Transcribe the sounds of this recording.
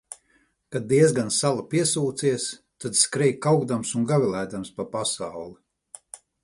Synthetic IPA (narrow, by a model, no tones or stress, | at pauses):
kad̪̚ːiɛzɡansalˠapiɛsuːt̪siɛs | t̪ad̪skɾɛjkːawɡd̪amsunɡavilˠæːd̪amspapasawlˠi